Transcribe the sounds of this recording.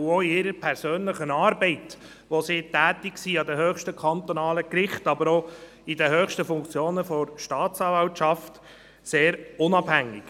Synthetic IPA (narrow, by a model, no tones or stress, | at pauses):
oiɪɾəpʰɛɾsøːnləχənɑːɾbɛɪt | ʋosiːtæːt̪ɪksiːɑd̪ɛɦøːχʃtəkʰɑnt̪ɔnɑːləkɾɪχtɑbəɾo | id̪əɦøːχʃtəfʊŋkt͡sjoːnəfɔɾʃtɑːtt͡sɑːvɑltʃɑft̪ | seːɾʊnɑbhæŋːɪ̰k